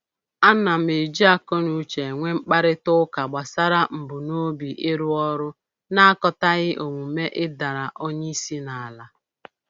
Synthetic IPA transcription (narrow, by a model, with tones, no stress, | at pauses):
a˦na˨m̩˨e˨d͡ʒi˦a˨kɔ˦nu˨˦t͡ʃe˨ŋʷe˦ŋ͡m̩˦k͡pa˦ɾɪ˦tʊ˦ka˨ɡ͡ba˨sa˦ɾa˦m̩˨bʊ˨no˦bi˨ʔɪ˦ɾu˦ɔ˦ɾʊ˦ | na˦a˦kɔ˨ta˦ɣɪ˦ʔo˨ŋʷu˨me˦ʔɪ˦da˨ɾa˨ʔo˦ɲe˦i˦si˦na˨a˨la˦